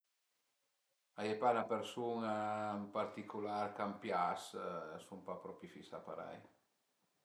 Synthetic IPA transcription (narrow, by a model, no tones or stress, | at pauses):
ajepanapeɾsuŋampaɾt̪ikulaɾkampjassumpapɾɔpifisa̰paɾa̰j